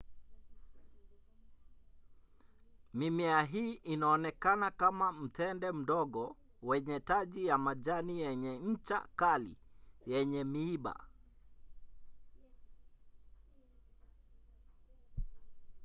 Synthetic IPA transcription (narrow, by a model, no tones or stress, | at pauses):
mimɛaɦiːʔinaɔnɛkanakamam̩tɛndɛm̩dɔɡɔ | wɛɲɛtad͡ʒijamad͡ʒanijɛɲɛɲ̩t͡ʃa̰kalḭjɛɲɛmiːba̰